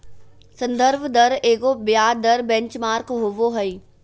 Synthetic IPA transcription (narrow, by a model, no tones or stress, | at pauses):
sɐ̃nd̪əɾbʱd̪ɐɾeːɡobjaːd̪ɐɾbɛ̃ɲt͡ʃmaːɾkɦoʋoɦɐiː